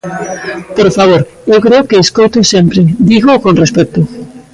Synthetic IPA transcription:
poɾfaβ̞oɾ | ewkɾeʊkeːskojt̪osempɾed̪iɣokõnrespɛk̚t̪ʊ

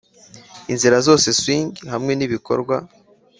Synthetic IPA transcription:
inziɾazo̞ːse̞swiːɲɟihamŋe̞niβiko̞̰ɾɡwa

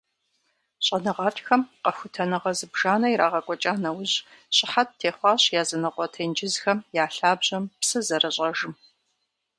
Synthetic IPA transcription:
ɕʼɐnɨʁɑːtʼxɐmqɐxʷʊtʰɐnɨʁɐzɨbʒaːnɐiɾaːʁɐkʷʼɔt͡ʃʼaːnɐwʊʑɕʼɪħat̚tʰeːχʷɑːɕjaːzɐnɨqʷɔtʰeːnd͡ʒɪzxɐmjaːɬaːbʑɐmpsɨzɐrɐɕʼɐʒɨm

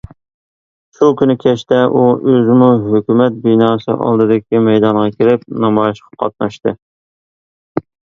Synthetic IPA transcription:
ʃukʲynɪkʲʰɛʃt̪ɛʔuøzɪmuɦøkʲymɛt̪̚binɑːsɨ̰ʔɑ̰lˠd̪ɨd̪ɪkʲimɛjd̪ɑɴʁɑkʲʰelɪp̚nɑmɑjɪʃqʰɑ̥qʰɑ̰t̪̚nɑʃt̪ɨ

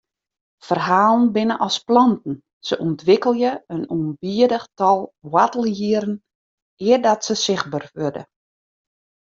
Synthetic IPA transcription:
fərɦaːlˠn̩bɪnəʔɔsplɔntn̩ | səʔuntʰʋɪkəlˠjəənuənbiədəxtɔlˠwatəlˠjiəɾn̩ | ɪərdɔtsəsɪxbərʋødə̰

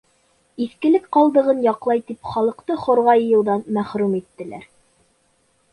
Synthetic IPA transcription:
iθkɘ̆lɘkqɑlˠd̪ɤ̆ʁɤnjɑqlˠɑjt̪ipχɑlˠɤ̆qt̪ɤχŏɾʁɑjɤ̆jɤ̆w̪ˠðɑnmæχɾʉmit̪ːɘ̆læ̰ɾ

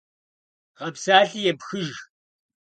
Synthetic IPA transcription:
qɐpsaːɬijɛpxɨʒ

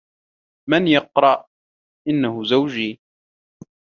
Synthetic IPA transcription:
manjɑqɾˤɑʔ | ʔɪnːahʊzawd͡ʒiː

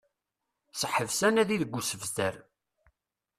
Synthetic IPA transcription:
səħəvsænæðiðəɡʷːusəvzd̪əɾ

